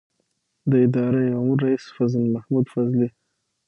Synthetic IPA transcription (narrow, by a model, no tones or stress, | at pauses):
d̪əɪd̪ɑɾeʊmuɾːaisfazlmahmud̪fazli